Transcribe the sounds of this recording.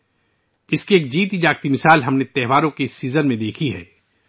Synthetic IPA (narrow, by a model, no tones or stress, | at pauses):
ɪskieːk̚d͡ʒiːt̪id͡ʒaːɡt̪imɪsaːlɦɐmnet̪ɛɦʋaːɾõkesːiːzənmẽd̪eːkʰiɦɛ̰ː